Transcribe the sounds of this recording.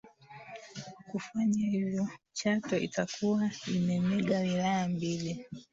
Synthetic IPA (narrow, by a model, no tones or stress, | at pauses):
kufaɲahivjɔ | t͡ʃatɔʔḭtakuwaimɛmɛɠawilajambili